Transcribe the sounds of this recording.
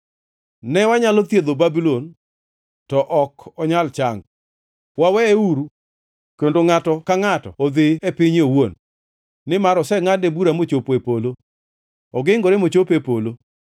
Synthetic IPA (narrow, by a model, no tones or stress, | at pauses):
nɛwaɲalot̪jed̪obabilon | tɔʔɔkɔɲalt͡ʃaŋɡ | wawɛeuɾu | kendoŋatɔkaŋatɔ̰ːd̪ɪepɪɲowonː | ɪmaɾɔsɛŋanebuɾamot͡ʃopepolo | ɔɡɪŋɡoɾemot͡ʃopepolo